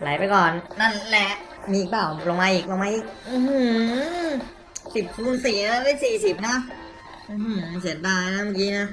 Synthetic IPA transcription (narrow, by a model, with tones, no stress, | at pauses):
la˨˦jpa˧jkɔː˨˩nna˧˥˩nlɛ˧˥ʔ | miː˧iː˨˩k̚paː˧˩wlo˧ŋmaː˧ʔiː˨˩k̚lo˧ŋmaː˧˥ʔiː˨˩k̚ʔɯː˧hɯ˧˩ | si˨˩p̚kʰu˧˥˩nsiː˨˩˨la˦˥˩pe˧˥˩siː˨˩si˨˩p̚na˦˥ʔ | ʔɯː˧˩hɯ˧˩si˨˩˦ət̪̚daː˧˩jna˦˥maː˨˧˩kiː˦˥na˦˥ʔ